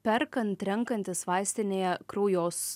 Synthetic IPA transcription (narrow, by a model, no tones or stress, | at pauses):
pʲɛɾkɐnt̪ɾʲɛŋkɐnʲt̪ʲɪsʋɑˑɪsʲt̪ʲɪnʲeːjɛkɾoːjoːs